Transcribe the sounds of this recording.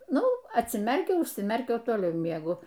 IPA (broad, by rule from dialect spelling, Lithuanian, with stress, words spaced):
ˈnʊ ɐtʲsʲɪˈmʲɛrʲkʲɛʊ ʊʃʲsʲɪˈmʲɛrʲkʲɛʊ oː toːˈlʲɛʊ mʲiɛˈɡʊ